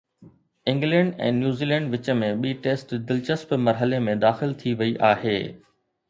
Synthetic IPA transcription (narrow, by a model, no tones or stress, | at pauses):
ɪ̃ŋɡlɛ̃ːɳɖɛ̰̃ːnjuːziːlɛ̃ːɳɖʋɪt͡ɕə̆mẽɓiːʈeːsʈd̪ɪlt͡ɕəspmɐɾɦəlemẽd̪aːxɪlt̪ʰiʋɐiʔaːɦeː